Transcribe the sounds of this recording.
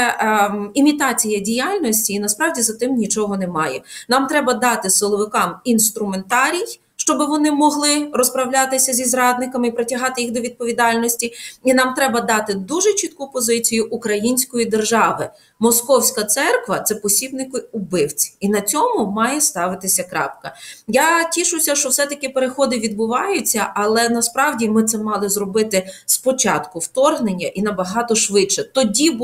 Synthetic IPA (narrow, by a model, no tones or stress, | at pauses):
imʲit̪ɑt͡sʲijɐdʲijalʲnɔsʲtʲiːnɐspɾɑwdʲizɐt̪ɪmnʲit͡ʃɔɦɔnɛmɑjɛnɑmt̪ɾɛbɐd̪ɑt̪ɪsɪlˠɔʋɪkɑminst̪ɾʊment̪ɑɾʲij | ʃt͡ʃɔbɪʋɔnɪmɔɦlˠɪrɔspɾɐwlʲat̪ɪsʲɐzʲizrɑd̪̚nɪkɐmɪipɾɔtʲɐɦɑt̪ɪjixd̪ɔʋʲid̪̚pɔʋʲid̪ɑlʲnɔsʲtʲiinɑmt̪ɾɛbɐd̪ɑt̪ɪd̪uʒɛt͡ʃit̪̚kupɔzɪt͡sʲijʊʔukɾɐjinʲsʲkɔjid̪erʒɑʋɪ | mɔskɔwsʲkɐt̪sɛrkʋɐt̪sɛpɔsʲib̪nɪkʊʊbɪwt͡sʲi̥inɐt͡sʲɔmʊmɑjɛst̪ɑʋɪt̪ɪsʲɐkɾɑ̰pkɐjatʲiʃʊsʲɐʃt͡ʃɔwsɛt̪ɐkɪpeɾexɔd̪ɪʋʲid̪bʊʋɑjʊt͡sʲːɐʔɐlˠɛnɐspɾɑwdʲimɪt̪sɛmɑlˠɪzrɔbɪt̪ɪspɔt͡ʃɑt̪kʊwt̪ɔrɦnenʲːɐʔinɐbɐɦɑt̪ɔʃʋɪʃɛt̪ɔdʲi